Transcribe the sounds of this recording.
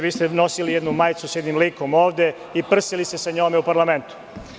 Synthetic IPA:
ʋiːst̪eno̞silijɛd̪numajt̪susjɛd̪nimliːko̞mo̞ːʋd̪e | ipr̩silisesaɲoːmeupaɾlame̞nt̪u̥

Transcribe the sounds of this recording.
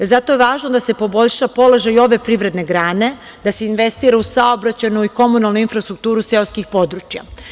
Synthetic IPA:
zat̪o̞jeʋaːʒnod̪ase̞po̞bo̞ʎʃapo̞lo̞ʒajo̞ʋe̞pɾiʋɾe̞d̪ne̞ɡɾaːne̞ | d̪ase̞inʋe̞st̪iːɾausaobɾat͡ɕenuiko̞munalˠnuinfɾast̪ɾuk̚t̪uːɾuse̞oskixpo̞d̪ɾut͡ɕja̰

